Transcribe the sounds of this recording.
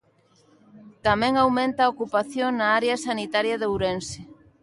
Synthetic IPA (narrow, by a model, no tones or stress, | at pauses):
t̪amɛ̃ŋawmẽnt̪aokupaθjoŋnaaɾeɐsanit̪aɾjɐðewɾensɪ